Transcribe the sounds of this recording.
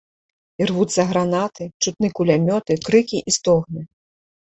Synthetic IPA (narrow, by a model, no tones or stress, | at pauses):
irvut̪sːɐɣɾanat̪ɨt͡ʂut̪̚nɨkulʲamʲɔt̪ɨkɾɨkʲiʔist̪ɔɣnɨ